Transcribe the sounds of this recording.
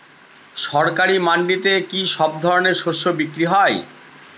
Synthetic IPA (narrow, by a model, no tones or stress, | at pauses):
ʃɔɾkaɾimaɳɖit̪ekiʃɔb̚d̪ʱɔɾoneɾʃoʃːobikɾiɦɔe